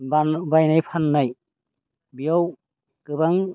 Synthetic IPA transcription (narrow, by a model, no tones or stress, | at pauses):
banbajnajpʰanːaj | bijaw | kɯbaŋ